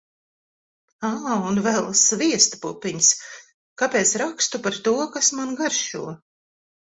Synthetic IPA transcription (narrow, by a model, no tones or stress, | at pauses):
aunvɛlˠsviɛst̪pupːiɲs | kapeːt̪sɾakst̪upaɾt̪uɔkasmanɡaɾʃṵɔ